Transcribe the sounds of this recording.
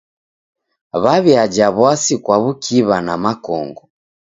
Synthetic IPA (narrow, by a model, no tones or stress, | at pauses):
βaβiad͡ʒaβwasikwaβukʰiβanamakɔ̰ŋɡɔ